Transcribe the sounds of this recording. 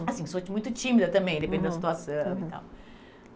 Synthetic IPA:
asĩsot͡ʃmũj̃t̪ut͡ʃ̪imiðɐt̪ɐ̃mbẽj̃d̪epẽnd̪ɐsiit̪uasɐ̃w̃ia̰l

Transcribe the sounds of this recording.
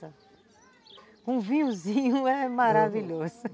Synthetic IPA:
ɐ | kõvĩɲʊ̃zĩɲʊɛmaɾaviʎozʊ

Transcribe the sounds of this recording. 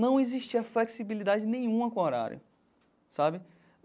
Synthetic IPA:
nɐ̃w̃eziʃt͡ʃiɐfleksibilid̪ad͡ʒɪnẽj̃ũmɐkõoɾa̰ɾjʊ̰ | sabɪ

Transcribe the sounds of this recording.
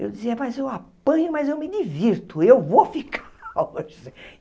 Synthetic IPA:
ḛwd̪iziɐmajzewapɐ̃ɲʊmɐzewmɪd̪iviɾt̪ʊewvofikʰḁoʒe

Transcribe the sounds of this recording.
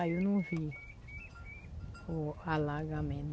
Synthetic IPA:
ajunũfi | oalaɡamɛ̃n

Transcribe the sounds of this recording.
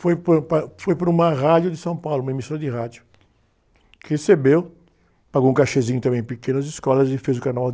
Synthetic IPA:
fojppafojpɾʊũmɐʁad͡ʒjʊd̪ɪsɐ̃w̃pawlʊũmɐemisoɾɐd̪ɪɦad͡ʒjʊ | kɪhesebew | paɡoũkaʃezĩɲʊt̪ɐ̃mẽj̃pekẽnɐzɪskɔlɐzɪfezʊkanaaw

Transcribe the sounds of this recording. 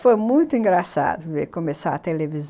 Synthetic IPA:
fojmũj̃t̪ʊĩŋɡɾasa̰d̪ʊvekomesa̰ɐt̪eleviz

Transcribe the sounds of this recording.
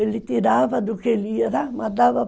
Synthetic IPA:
elːit̪iɾaːʋɐd̪ukelijɐɾamɐd̪aːʋɐ

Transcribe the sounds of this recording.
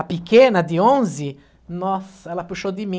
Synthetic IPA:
apikenad̪iõnzi | nɔsɛlɐpuʃod̪imĩ

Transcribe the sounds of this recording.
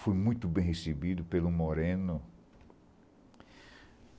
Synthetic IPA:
fojmũj̃t̪ʊbẽj̃hesebid̪ʊpelʊmoɾẽnʊ

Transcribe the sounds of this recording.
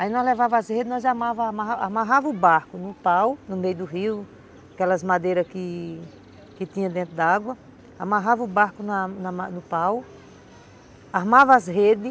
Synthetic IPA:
ainɔzlevavɐazhed̪ɪnɔzamavɐmaaamaɦavɐubaɾkʊnʊpawnʊmejʊd̪ʊɦiw | akɛlɐzmad̪ejɾɐskɪ | kɪt̪ĩɲɐ̃d̪ẽnt̪ɾʊd̪aaɡwɐ | amaɦavɐubaɾkʊnɐnɐanʊpaw | aɦmavɐazhed̪ɪ

